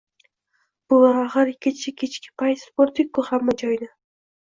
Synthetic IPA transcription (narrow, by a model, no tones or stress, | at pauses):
b̥ʊlˠaɾaʁɨɾɪkʲʰːɪt͡ʃʰɪkʲʰet͡ʃkʲɪ̥pʰaj̪spoɾt̪ʰɪk̚ʲkːʊhamːad͡ʒɒjna